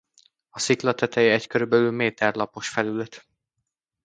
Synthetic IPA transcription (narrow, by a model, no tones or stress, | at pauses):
ɒsiklɒt̪ɛt̪ɛjickø̞ɾybɛlylmeːt̪ɛrlɒpo̞ʃfɛlylɛt̪